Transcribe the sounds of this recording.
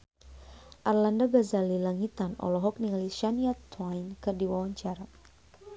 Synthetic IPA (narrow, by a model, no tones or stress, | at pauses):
ʔarlandabazalilaŋit̪anɔ̰lɔɦɔk̚niŋaliʃaniat̪wajnkɨrdiwawaɲt͡ʃaɾa